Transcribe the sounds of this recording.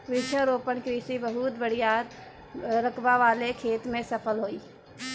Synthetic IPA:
ɾɪt͡ʃʰəɾopənkɾisibəɦut̪bəɽ̤ijad̪ | ɾəkʰbaʋalekʰeːt̪mẽsəpʰəlɦoi

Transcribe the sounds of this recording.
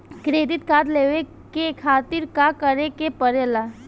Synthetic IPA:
kɾeːd̪ɪt̪kaːd̪leːʋe | kekʰaːt̪ɪɾkakəɾekepəɾela

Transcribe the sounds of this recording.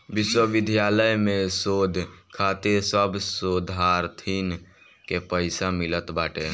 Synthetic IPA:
ʋiswəʋid̪ʱjaləjmesod̪ʱkʰat̪esəbsod̪ʱaɾt̪ʰin | kepəɪsamilət̪baʈe

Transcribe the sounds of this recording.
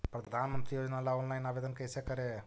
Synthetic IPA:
pɾɐd̪d̪ʱaːnɐmɐnt̪ɾijoːd͡ʒɐneɐlːaoːnlɐjnaːʋed̪ɐnkɐjseːkɐɾe

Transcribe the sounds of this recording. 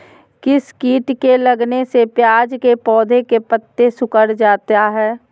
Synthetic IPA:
kɪskiːʈkeləɡnesepjaːd͡ʒkepɔːd̪ʱekepət̪ːesʊkəɾd͡ʒaːt̪aɦɛː

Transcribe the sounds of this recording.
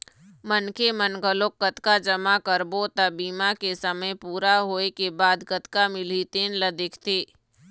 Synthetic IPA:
mənkemənɡəlokːət̪kad͡ʒəmakəɾbot̪ɐbiːmakesəməjpuːɾaɦoːekebaːd̪kət̪kamɪlit̪enlɐd̪eːkʰt̪eː

